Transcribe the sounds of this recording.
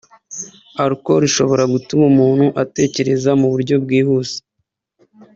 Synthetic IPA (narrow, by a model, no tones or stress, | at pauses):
aɾiko̞ɾiʃo̞βo̞ɾaɡutumumuːn̥huʔate̞ːce̞ɾe̞zamuβuɾɟo̞b̚ɡiːhuːsi̥